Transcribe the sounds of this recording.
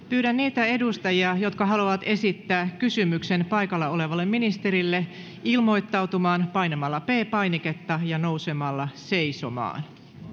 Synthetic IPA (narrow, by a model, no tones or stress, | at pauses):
pyːɾænːiːt̪æe̞dust̪ɑjiɑjo̞t̪kɑɦɑluʋɑt̪e̞sit̪ːæːkkysymykse̞npɑjkɑlːɑo̞le̞ʋɑlːemminist̪e̞ɾilːe | ilmo̞jt̪ːɑwt̪umɑːnpɑjnemɑlːɑpe̞ːpɑjnike̞t̪ːɑjɑno̞wse̞mɑlːɑse̞jso̞̰mɑ̰ːn